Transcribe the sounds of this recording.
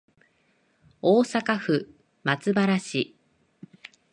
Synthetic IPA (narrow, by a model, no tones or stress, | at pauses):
oːsakaɸɯ̟ | mat͡sɨbaɾaɕi